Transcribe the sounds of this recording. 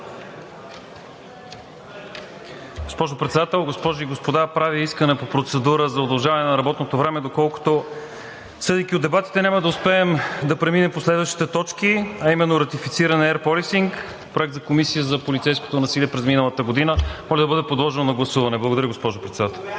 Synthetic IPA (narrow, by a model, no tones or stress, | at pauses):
ɡospɔʒopɾɛt̪sɛd̪at̪ɛlˠɡospɔʒiɡospod̪apɾaviiskənɛpopɾot̪sɛd̪uɾəzɐod̪ɐlˠʒavɐnɛnɐɾɐbɔt̪not̪ovɾɛmɛd̪okɔlˠko̥t̪o | sɤd̪ik̟ʲiod̪ɛbat̪i̥t̪ɛnʲamɐd̪ɐʊspɛɛmd̪ɐpɾɛminɛmposlɛd̪vəʃt̪i̥t̪ɛt̪ɔt͡ʃkiɐimɛnːoɾɐt̪ifit̪siɾənɛɾpɔlisiŋk | pɾoɛk̚t̪zɐkomisijəzɐpolit̪sɛjsko̥t̪onɐsiliɛpɾɛzminəlˠət̪əɡod̪inəmɔlʲɛd̪ɐbɤd̪ɛpod̪lˠɔʒɛnonɐɡlˠɐsuvɐnɛblˠɐɡod̪ɐɾəɡospɔʒopɾɛt̪sɛd̪at̪ɛlˠ